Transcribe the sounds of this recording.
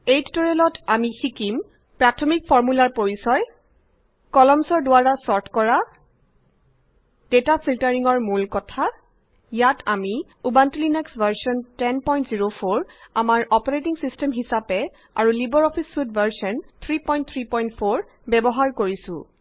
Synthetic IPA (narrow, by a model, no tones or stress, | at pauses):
ejttɔɹelɔtamixikim | pɹatʰɔmikfʰɔɹmulaɹpoɹisɔj | kɔlɔmsɔɹdʊaɹasɔɹtʰkɔɹa | d̥etapʰiltaɹiŋɔɹmulkɔtʰa | jatʰami | ubantulinɛksbʱaɹsɔntɛnpɔjntziɹopʰoɹamaɹɔpɔɹetiŋsistɛmɦisapɛ | a̰ɹulibɔɹɔpʰisfudbʱaɹsɔnt̪ʰɹipɔj̃nt̚t̪ʰɹipɔjntpʰoɹ | bɛbɔɦaɹkoɹisʊ̰̃